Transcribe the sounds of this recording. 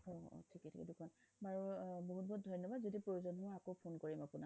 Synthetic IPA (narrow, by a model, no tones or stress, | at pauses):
ɔ̰tʰikɛtʰḭkɛ̰dʊkʰɔnbaɹuboɦut̚bɔɦut̚dʱɔjnːɔbadzodipɹojuzɔnɦʊaakopʰonkoɹimapuna